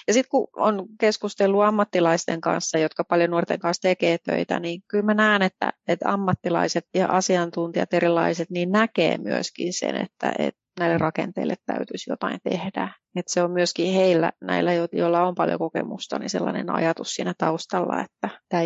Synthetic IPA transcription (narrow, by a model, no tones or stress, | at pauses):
jɑsit̪kuonkeskust̪elːuɑmːɑt̪ːilɑist̪eŋkɑ̰nsːɑjot̪kɑpɑljonuort̪eŋkɑnst̪ekeːt̪ø̰it̪æ̰niŋkylmænæːnet̪ːæ̰et̪ɑ̰mːɑt̪ːilɑ̰iset̪jɑʔɑsiɑnt̪unt̪iɑ̰t̪eɾilːˑɑiset̪niːnnækḛːmyøskinsḛnḛt̪ːæʔḛt̪næilːerrɑkḛnt̪eilːet̪tæyt̪ysjot̪ɑint̪ehdæ | et̪seommyøskiheilːæ̰næilːæjojolːɑompɑljo̰kokḛmust̪ɑ̰nḭselːɑ̰nḛnɑ̰jɑt̪ussiːnæt̪ɑust̪ɑlːɑ̰et̪ːæt̪æː